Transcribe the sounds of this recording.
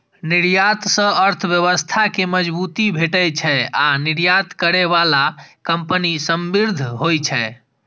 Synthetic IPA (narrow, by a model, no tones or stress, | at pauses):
niɾjat̪sə̃əɾt̪ʰəbjəβəst̪ʰakeməd͡ʒbut̪ibʱeʈəjt͡ʃʰɛaniɾjat̪kəɾeβalakəmpənisəmbiɾd̪ʱɦojt͡ʃʰɛ